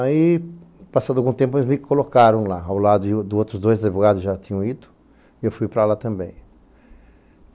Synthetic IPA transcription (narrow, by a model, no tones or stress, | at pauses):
ai | pasad̪ʊawɡũt̪ẽpʊemɪkolokaɾɐ̃w̃laawlad̪ʊɪd̪ʊowt̪ɾʊzd̪ojzɐd̪ivoɡad̪ʊzʒat̪ĩɲɐ̃w̃id̪ʊ̥ | ɪewfujpɾalat̪ɐ̃mbẽj̃